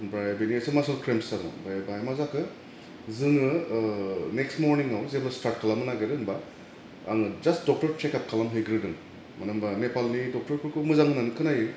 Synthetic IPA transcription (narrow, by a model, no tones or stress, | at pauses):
bɾajbeniesɯmasɔlkʰɾemsaɾɔ̰bajbajmazakʰɯ | zɯŋɯ | nekstmoɾniŋawzeplastaɾt̚kʰalamɯnaɡɯɾɯŋba | aŋɯd͡ʒastdɔk̚tɔɾt͡ʃekap̚kʰalamɦeɡɾɯdɯŋ | manambanepalnidɔk̚tɔɾpʰɯɾkʰumɯzaŋnankʰɯnajɯ